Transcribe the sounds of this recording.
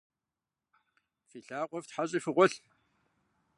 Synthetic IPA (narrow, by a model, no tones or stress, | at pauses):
fiːɬaːqʷʼɔvtħaɕʼiːfɨʁʷʊɬ